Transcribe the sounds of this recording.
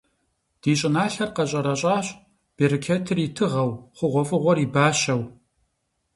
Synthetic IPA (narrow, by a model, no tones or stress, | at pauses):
d̥iːɕʼɪnaːɬɐrqɐɕʼɐɾɐɕʼaːɕ | b̥eɾikʰetʰɨritʰɨʁɐwχʷʊʁʷɔfʼɨʁʷɔriːbaːʃɐw